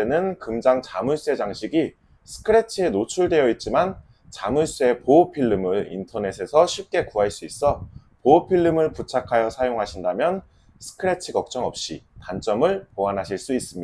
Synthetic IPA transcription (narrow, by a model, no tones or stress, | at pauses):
enɯnkɯmd͡ʑaŋt͡ɕamuɭs͈ue̞d͡ʑaŋɕʰiɡi | sʰɯ̥kʰɯɾe̞t͡ɕʰɯe̞not͡ɕʰuɭdwe̞jʌit̚t͡ɕ͈iman | t͡ɕamuɭs͈ue̞popʰiɭːɯmɯɭḭntʰʌne̞sʰe̞sʰʌɕʰip̚k͈e̞kuɦaɭs͈uis͈ʌ | poopʰiɭːɯmɯɭput͡ɕʰakʰajʌsʰajoŋɦaɕʰindamjʌn | sʰɯ̥kʰɯɾe̞t͡ɕʰɯɡʌk̚t͡ɕ͈ʌŋʌp̚ɕ͈ḭtant͡ɕ͈ʌmɯɭpoanɦaɕʰiɭs͈uis͈ɯmɲi